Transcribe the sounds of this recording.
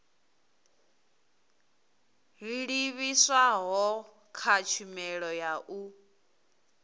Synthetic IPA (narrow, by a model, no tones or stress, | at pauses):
ɦiɺiβiswaɦɔ | kʰat͡ʃʰumɛɺɔjaʔu